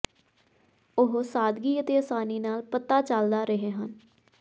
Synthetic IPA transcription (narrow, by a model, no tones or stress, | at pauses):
ʊɦsaːd̪ɡiːət̪eːəsaːniːnaːlpət̪aːt͡ʃəld̪aːɾəɦeːɦən